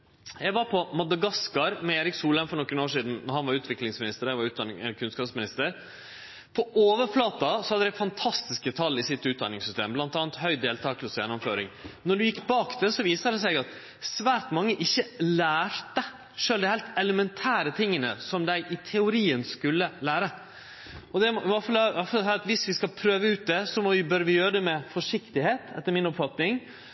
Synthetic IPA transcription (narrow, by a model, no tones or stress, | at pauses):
jæɪʋɑɾpʰɔmɑd̪ɑɡɑskɑɾmɛeːɾɪksuːləmfɔɾɳɔkːənoːʂiːd̪n̩nɔɾhɑnʋɑɾʉːt̪ʋɪklɪŋsmɪnɪst̪əɾæɪʋɑɾʉːt̪̚ɑnkʰʉnskɑːpsmɪnɪst̪əɾ | pʰɔoːʋəɾflɑːt̪ɑsɔhɑd̪əd̪æɪfɑnt̪ʰɑst̪ɪskət̪ʰɑlːɪsɪt̪ːʉːt̪̚d̪ɑnːɪŋsʏst̪eːmblɑnt̪ɑːnət̪hœʏd̪eːlt̪ʰɑːkʰlsjɛnːɔmføːɾɪ̰ŋnɔɖʉjɪkːbɑːkd̪ɛsɔʋiːst̪əd̪ɛsæɪɡɑt̪ | sʋæːɾʈmɑŋːəʔɪçːəlæːɾt̪ə | ʂøːld̪ɛɪhɛlt̪ɛləmɛnt̪ʰæːɾət̪ʰɪŋːənə̰sɔmd̪æɪʔɪt̪ʰɛʊɾiːənskʉlːəlæːɾə | ɔd̪ɛʋɑfɑlɑflsɛːɾɑt̪ʋɪsʋɪskɑlpʰɾøːʋəʉːt̪̚d̪ɛsɔmɔʋɪbœɾʋɪjøːɾəd̪ɛmɛfɔʂɪkt̪ɪheːt̪ʰɛt̪ːəɾmɪnɔpfɑt̪nɪŋ